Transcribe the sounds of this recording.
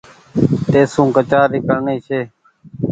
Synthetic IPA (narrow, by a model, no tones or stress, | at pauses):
t̪eːsũːkət͡ʃaːɾiːkəɽɳeːt͡ʃʰeː